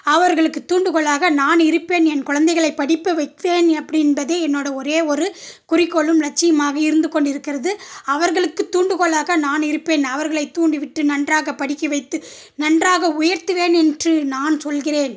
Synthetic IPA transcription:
ɐʋɐɾɣɐɭɯkːɯt̪ːuːɳɖɯɣɔɭaːɣɐnaːnɪɾɯpːeːnɛnkʊɻɐnd̪ɐɛɪɣɐɭɐɪpːɐɽɪpːɐʋɐɪt̪ʋeːnɐpːɐɽɪnbɐðeːɛnːoːɽɐɔɾeːɔɾɯkʊrɪkːɔɭɯmɾɐt͡ʃːɪjɐmaːɣɐɪɾɯnd̪ɯkɔɳɖɪɾɯkːɪɾɐðɯɐʋɐɾɣɐɭɯkːɯt̪ːuːɳɖɯkɔɭaːɣɐnaːnɪɾɯpːeːnɐʋɐɾɣɐɭɐɪt̪ːuːɳɖiʋɪʈːɯnɐndraːɣɐpːɐɽɪkːɐʋɐɪt̪ːɯ | nɐndraːɣɐʊjɐɾt̪ɯʋeːnɛndrɯnaːnsɔlɣɪɾeːn

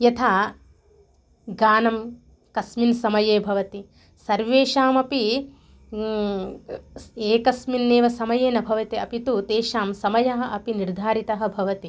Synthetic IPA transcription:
jɐt̪ʰaː | ɡaːnɐm | kɐsminsɐmɐjeːbʱɐʋɐt̪i | sɐɾʋeːʃaːmɐpi | eːkɐsminːeːʋɐsɐmɐjeːnɐbʱɐʋɐt̪iɐpit̪ut̪eːʃaːmsɐmɐjɐɦɐ̆ʔɐpiniɾd̪ʱaːɾit̪ɐɦɐ̆bʱɐʋɐt̪i

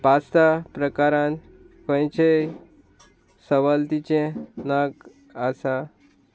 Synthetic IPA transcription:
past̪apɾəkaɾãn | kə̃jt͡ɕe | səʋalt̪it͡ɕẽnaɡ | asa

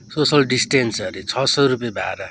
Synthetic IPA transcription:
sosʌlɖisʈensʌɾit͡sʰʌsʌɾupjebʱa̰ɾa

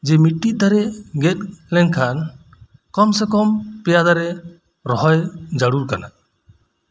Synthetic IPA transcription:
d͡ʒɛmiʈːiˀd̪aɾɛɡɛt̪̚lɛŋkʰan | kɔmsɛkɔmpɛjad̪aɾɛ | ɾɔɦɔjd͡ʒaɽuɾkana̰

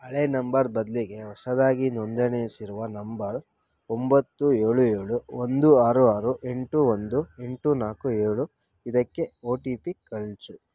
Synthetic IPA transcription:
ɐɭenɐmbɐɾbɐd̪liɡe̞ɦɔsɐd̪aːɡinond̪ɐnesiɾuʋɐnɐmbɐɾ | ombɐt̪ːueːɭueːɭuond̪uaːɾuaːɾuʔe̞ɳʈuʋond̪ue̞ɳʈunaːkueːɭu | id̪ɐkːe̞oːʈiːpikɐɭt͡ʃu

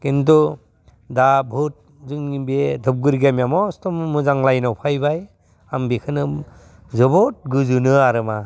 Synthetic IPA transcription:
kint̬u | dabʱut̚ | zuŋibedʱɯp̚ɡɯɾɡamjamɔstɔmmɯzaŋlajnawpʰajbaj | ambekʰɯnɯm | zɯbɔt̚ɡɯzɯnɯaɾɯma

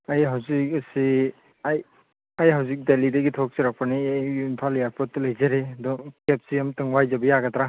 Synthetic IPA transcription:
ajɦawzik̚ɐsi | aj | ajɦawzik̚delidɐɡitʰɔk̚siɾak̚paniajnpʰalijaɾpɔt̚ːɯlɐjzaɾeɐdɔkep̚siamtɯŋwajzabɐjaɡatɾa

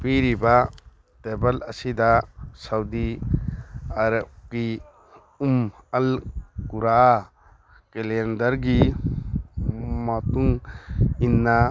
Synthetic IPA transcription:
piɾiba | tebɐlɐsidasawdi | aɾɐp̚ɡi | umɐlkuɾa | kelendɐɾɡi | mɐtuŋ | inːa

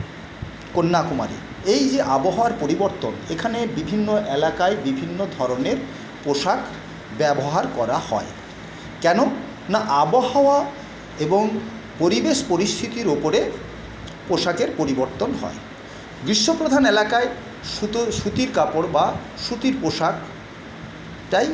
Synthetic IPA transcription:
konːakuma̰ɾḭ | ejd͡ʑeʔaboɦaoaɾpoɾiboɾt̪onekʰanebibʱinːoʔelakaebibʱinːod̪ʱɔɾoneɾ | poʃak | bɛboɦaɾkɔɾahɔ̰e | kɛno | naʔaboɦaoa | eboŋ | poɾibeʃpoɾist̪ʰit̪iɾopoɾe | poʃakeɾpoɾiboɾt̪onɦɔ̰e | bɾiʃːopɾod̪ʱanelakae | uʃut̪iɾkapoɽba | ʃut̪iɾpoʃak | ʈaj

